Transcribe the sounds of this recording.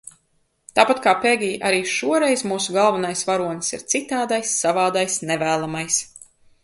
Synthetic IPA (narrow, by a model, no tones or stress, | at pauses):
t̪aːpat̪kaːpeɡʲiːʔaɾiːʃuɔɾɛjzmuːsuɡalˠvanajsvaɾuɔnsḭɾt̪sit̪aːd̪ajsːavaːd̪ajsnɛvæːlˠamajs